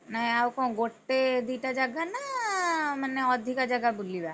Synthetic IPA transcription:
naɦĩawkɔ̃w̃ɡoʈːed̪iʈad͡ʒaɡana | maneɔd̪ʱikad͡ʒaɡabuliba

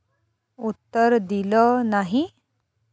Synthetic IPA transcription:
ut̪ːəɾd̪ilɔnaɦi

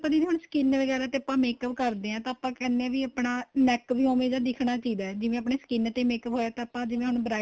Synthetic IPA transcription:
pəd͡ʒeneːɦʊɳsə̥kɪnʋəɡɛːɾaːt̪eːəpːãːmeːkəpkəɾd̪eːɛ̃ːt̪ãːapãːkɛːnːeɛ̃ːʋiːəpɳaːnɛːkʋiːoːmẽːd̪aːd̪ɪkʰɳaːt͡ʃiːdɛːd͡ʒɪʋẽːəpɳeːsə̥kɪnt̪eːmeːkəpɦoːaːt̪ãːəpãːd͡ʒɪʋẽːɦʊɳbəɾaː

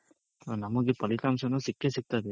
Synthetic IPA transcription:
namɔɡipəlikamsɔnɔsikːesik̚t̪at̪e

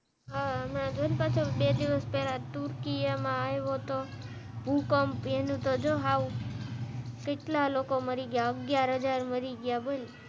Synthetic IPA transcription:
aəmnãd͡ʒ̪olpat͡ʃʰobed̪iʋəspɛlat̪uɾkijamãajʋot̪o | bʱukɔmpenũt̪od͡ʒoɦau | keʈlalokoməɾiɡjaəɡjaɾɦəd͡ʒaɾməɾiɡjabəl

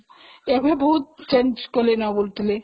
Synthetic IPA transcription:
ebeboɦut̪̚t͡ʃend͡ʑkolenabolt̪le

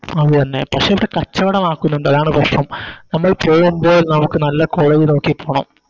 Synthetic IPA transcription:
ɐðɨt̪ɐnːe̞pɐkʂeiʋiɽe̞kɐt͡ɕːɐʋɐɽɐmaːkːunːuɳɖɐðaːɳɨpɐʂrɐmnɐmːɐɭpoːjumbo̞ːlnɐmukːɨnɐlːɐkoɻɐjino̞ːkːipːoːɳɐ̰m

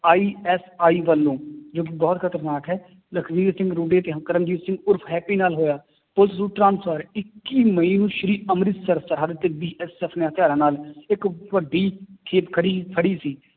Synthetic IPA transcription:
aːiːɛːsaːiːʋəlːõːd͡ʒoːk̬ɪbɔːt̪kʰət̪əɾnaːkɦɛː | ləkʰʋiːɾsɪ̃ŋɡɾuːɖeːt̪eːɦkəɾəmd͡ʒiːt̪sɪ̃ŋɡʊɾpʰɦɛːpiːnaːlɦoːjaː | pʊlt̪suːʈɾãːnsʰəɾɪkːiːməĩːnũːʃəɾiːəmɾɪt̪səɾsəɾɦaːd̪ət̪eːbiːʔɛsɛːpʰneːɦət̪ɪjaːɾãːnaːlɪkʋəɖːiːkʰeːpkʰəɽiːpʰəɽiːsiː

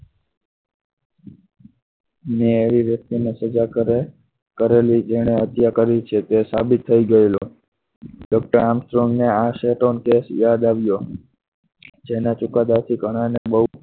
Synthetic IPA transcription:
neːʋiʋjək̚t̪inesəd͡ʒa | kəɾelid͡ʒeɽ̃eət̪jakəɾit͡ʃʰet̪esabɪt̪ʰːəiɡəelo | ɖɔk̚ʈəɾamstɾoŋɡneaʃeʈonkesjad̪aʋjo | d͡ʒenat͡ʃʊkad̪at̪ʰikəɽ̃anebəɦ

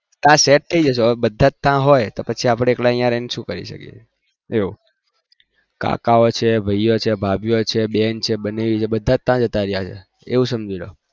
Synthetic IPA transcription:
t̪ãseʈ̚t̪ʰəid͡ʒəʃobəd̪ʱːãt̪ãɦojt̪opət͡ʃʰiapɽ̃eːklaəjãɾenʃũkəɾḭʃə̰kjḛt͡ʃ | eu | ka̰kaot͡ʃʰebʱəjjot͡ʃʰebʱabjot͡ʃʰebent͡ʃʰebəneʋit͡ʃʰebəd̪ʱːãt̪ãd͡ʒət̪aɾjat͡ʃʰḛ | eʋũsəmd͡ʒilo

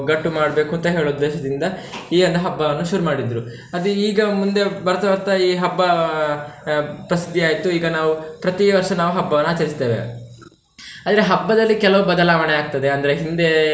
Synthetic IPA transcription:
ɡɐʈːumaːɽɐbe̞ːkuɐnt̪ɐɦe̞ːɭod̪ːeːʃɐd̪ind̪ɐiːɐnd̪ɐɦɐbːɐɐnːuʃuɾumaːɽid̪ɾu | ɐd̪uiːɡɐmund̪e̞bɐɾɐt̪ɐʋɐɾt̪ɐiːɦɐbːɐ | pɾɐsid̪ʱːiaːjt̪uiːɡɐnaːʋupɾɐt̪iʋɐɾʂɐnaːʋuɦɐbːɐʋɐnːuaːt͡ʃɐɾist̪e̞ːʋḛ | aːd̪ɐɾe̞ɦɐbːɐd̪ɐlːikɛlɐʋubɐd̪ɐlaːʋɐɳeaːɡ̚t̪ɐd̪eɐnd̪ɐɾeɦind̪e̞

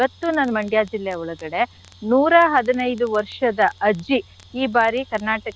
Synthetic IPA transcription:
ɐt̪ːunɐnmɐɳɖjaːd͡ʒilːeɔɭɐɡɐɽe̞ | nuːɾɐɦɐd̪inɐjd̪uʋɐɾʂɐd̪ɐʔɐd͡ʒi | iːbaːɾikɐɾnaːʈɐk

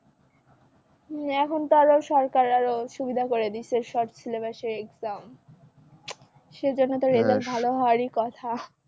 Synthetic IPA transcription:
ɛkʰont̪oaɾoʃɔɾkaɾaɾoʃubid̪ʱakoɾed̪iʃeɾʃɔʈt͡ɕʰilebaʃeɾekzam | ʃed͡ʑonːet̪oɾed͡ʑalbʱaloɦɔaɾikɔt̪ʰa

